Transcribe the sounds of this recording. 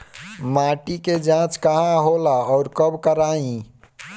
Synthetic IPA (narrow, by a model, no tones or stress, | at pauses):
maʈiked͡ʒãt͡ʃkəɦãɦolaɔʊɾkəbkəɾaĩ